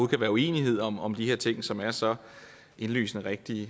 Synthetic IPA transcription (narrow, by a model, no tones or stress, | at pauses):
uːð̩ˠkʰæʋæːɐue̝̰ːniɦe̝ð̞̰ˠɒ̽mɒ̽md̥ihe̝ɐ̰t͡sʰe̝ŋ̰sɒ̽mæɐsɒ̽ | ʔe̝nly̰ːsnəʁɛɡ̥̚d̥i